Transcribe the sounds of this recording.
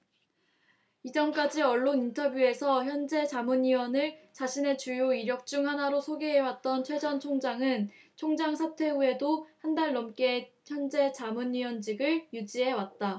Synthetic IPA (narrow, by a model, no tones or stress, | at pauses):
id͡ʑʌnk͈ad͡ʑiʌɭːonintʰʌbjue̞sʰʌçjʌnd͡ʑe̞t͡ɕamuniwʌnɯɭt͡ɕaɕʰine̞t͡ɕujoiɾjʌk̚t͡ɕ͈uŋɦanaɾosʰoɡeɦewat̚t͈ʌnt͡ɕʰwe̞d͡ʑʌnt͡ɕʰoŋd͡ʑaŋɯnt͡ɕʰoŋd͡ʑaŋsʰatʰwe̞ue̞dohandaɭnʌmk͈e | çjʌnd͡ʑe̞t͡ɕamunɥiwʌnd͡ʑiɡɯɭjud͡ʑiɦe̞wat̚t͈a